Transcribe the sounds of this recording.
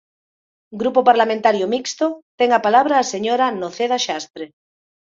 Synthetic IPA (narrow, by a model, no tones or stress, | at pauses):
ɡɾupopaɾlamẽnt̪aɾjomikst̪ot̪eŋapalaβ̞ɾaːseɲoɾanoθeð̞aʃast̪ɾe